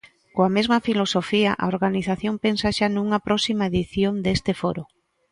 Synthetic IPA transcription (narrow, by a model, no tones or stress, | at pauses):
koamezmɐfilosofiaʔa̰oɾɣaniθaθjompensaʃanuŋɐpɾɔsimaeðiθjond̪est̪ɪfoɾo